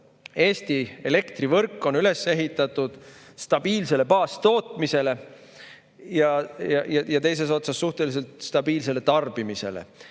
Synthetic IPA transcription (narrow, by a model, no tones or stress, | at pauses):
e̞ːst̪ie̞le̞kt̪rivɤrkːˑo̞nyle̞sːe̞ɦit̪ːˑɑt̪ːˑud̪̥ | st̪ɑb̥iːlse̞le̞pɑːst̪o̞ːt̪ˑmise̞le̞ | jɑjɑjɑjɑt̪e̞js̬e̞s̬o̞t̪sɑsːuht̪e̞lis̬e̞lt̪st̪ɑb̥iːls̬e̞le̞t̪ɑrb̥imise̞̰lḛ